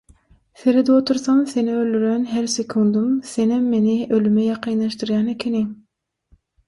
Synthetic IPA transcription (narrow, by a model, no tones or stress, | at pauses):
seɾed̪iot̪ʰuɾsɑnseniøld̪yɾenɦæɾsekʰund̪umsenɛmːeniʔølymɛjɑqʰijnɑʃt̪ɯɾjɑːnekʲʰeni